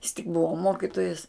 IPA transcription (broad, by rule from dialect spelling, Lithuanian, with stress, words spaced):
jɪs tʲɪk ˈbʊʋoː ˈmoːkʲɪtoːjɛs